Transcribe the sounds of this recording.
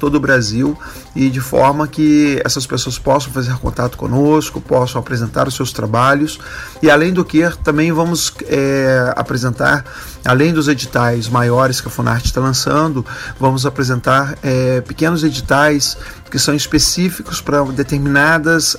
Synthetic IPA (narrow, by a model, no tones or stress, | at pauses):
t̪od̪ʊbɾaziw | ɪd͡ʒɪfɔ̰ɾmɐkɪɛ̰sɐspesoɐspɔsɐ̃w̃fazeɾkõ̰nt̪at̪ʊ̥kõ̰noskʊpɔsɐ̃w̃apɾezẽnt̪a̰ɾʊsːewst̪ɾabaʎʊs | ɪalẽj̃d̪ʊkeɾt̪ɐ̃mbẽj̃vɐ̃mʊsɛa̰pɾezẽnt̪a̰ɾ | a̰lẽj̃d̪ʊzed͡ʒit̪ajzmajɔɾɪskɪɐfũna̰ɾt͡ʃɪ̥st̪alɐ̃sɐ̃nd̪ʊvɐ̃mʊzapɾezẽnt̪aɾɛpɪkẽnʊzed͡ʒit̪ajskɪsɐ̃w̃ispesifikʊspɾɐd̪et̪eɾminad̪ɐs